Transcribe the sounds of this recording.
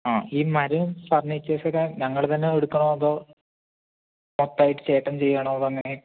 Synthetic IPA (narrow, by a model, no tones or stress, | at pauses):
aːiːmɐɾɐpɐrɲːit͡ɕːeːsɐkːaɲɐŋːɐɭt̪ɐnːeeɽukːɐɳoːɐðoː | mot̪ːaːjiʈːɨ̥t͡ɕe̞ːʈːɐmt͡ɕe̞jːaːɳoɐðɐŋːɐne